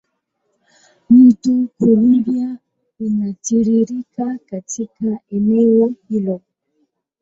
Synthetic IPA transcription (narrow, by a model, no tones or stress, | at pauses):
mutukulibia | unatiɾiɾikakatʰikaɛnɛwɔhilɔ